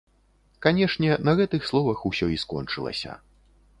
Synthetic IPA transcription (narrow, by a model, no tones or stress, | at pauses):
kanʲɛʂnʲɛnɐɣɛt̪ɨxslˠɔvɐxusʲɔiskɔ̰nt͡ʂɨlˠɐ̰sʲɐ̰